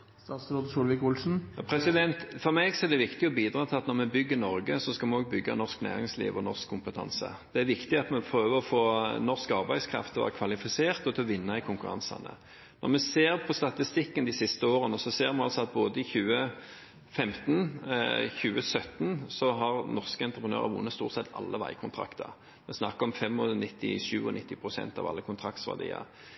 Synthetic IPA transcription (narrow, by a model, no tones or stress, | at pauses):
ɑsɾod̪suːlʋɪkʊlsn̩pʰɾɛsɪd̪ɛnt̪fɔɾmɛɡsɔɛɾd̪ɛʋɪkt̪ɪɔbiːd̪ɾɑːt̪ʰɪlɑt̪nɔʁmɛbʏɡːənɔɾɡəsɔskɑmɛoːɡ̚bʏɡːɑ̰nɔʁsknæ̰ːɾɪŋslḭːʋɔnɔʁskʰːʊmpət̪ʰɑ̰nsə̰ | d̪̥ɛæɾʋɪkt̪ɪɑt̪mɛpʰɾøːʋəɔfoːnɔʂkɑʁbæɪd̪skʰɾɑ̰ft̪ʰːɛʋæ̰ːɾkʰʋɑlɪfɪseːʁt̪ɔt̪ʰɪɔʋɪnːɑɪkʰʊŋkʉɾɑ̰nsɑ̰nə̰ | nɔʁmɛseːɾpʰɔst̪ɑt̪ɪst̪ɪkːənd̪ɪsɪst̪əoːʁənɔsɔseːɾmɛɑlsɔɑt̪̚boːd̪əɪçʉːə | fɛmt̪n | çʉːəsœt̪nsɔɦɑʁnɔʁskəɛnt̪ɾəpʰənø̰ːʁə̰ɾʋṵːnːəst̪uːʁt̪sɛt̪ʰːɑ̰lːəʋæ̰ɪkʰʊnt̪ʰɾɑ̰kt̪ʰəɑʁ | mɛsnɑkːəɔmfɛmːɔnɪt̪ːɪ̰ʂʉ̰ːɔnɪt̪ːɪpʰʁʊsɛ̰nt̪ɑ̰ʋɑ̰lːəkʰʊnt̪ʰɾɑk̚t̪sʋɑ̰ʁd̪ḭːə̰